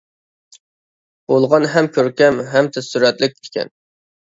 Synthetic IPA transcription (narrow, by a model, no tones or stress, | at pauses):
b̥olˠʁɑnɦɛmkʲʰøɾkʲɛmɦɛmt̪ʰɛsyɾɛt̪lɪk̪̚ʲʰɪ̥kʲɛ̰n